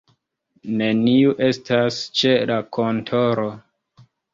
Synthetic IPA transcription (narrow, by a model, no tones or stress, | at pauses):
ne̞niuʔe̞stast͡ʃe̞lakʰo̞ntʰo̞ɾo